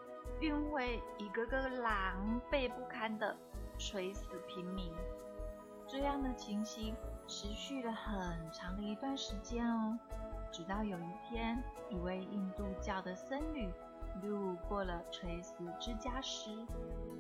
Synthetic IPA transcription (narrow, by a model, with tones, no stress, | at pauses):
i˥nwe˥˩ɪi˧˥ɡə˧kɤ˥˩lɑ˧˩˥ŋpe˥˧ɪpu˥˩kʰa˥˩nd̪ə˨ | ʈ͡ʂʰwe˧˥ɪsɹ̩˨˩pʰi˧˥nmi˧˥ŋ | ʈ͡ʂɤ˥˧jɑ˥˩ŋd̪ə˩t͡ɕʰi˧˥ŋɕi˧˥ŋʈ͡ʂʰɻ̩˧˥ɕy˥˩lə˩xə˨˩nʈ͡ʂʰɑ˧˥ŋd̪ə˧i˧˥t̪wa˥˩nʂɻ̩˧˥t͡ɕjɛ˥nɔ˧ʈ͡ʂɻ̩˨˩t̪ɑ˥˩ʊjo˨˩ʊi˥˩pʰjɛ˥n | i˨˩we˥˧ɪi˥˧nt̪u˥˧t͡ɕjɑ˥˩ʊd̪ə˩sə˥nly˨˩˦ | lu˥˧kwɔ˥˩lə˩ʈ͡ʂʰwe˧˥ɪsɹ̩˨˩ʈ͡ʂɻ̩˥t͡ɕja˥ʂɻ̩˥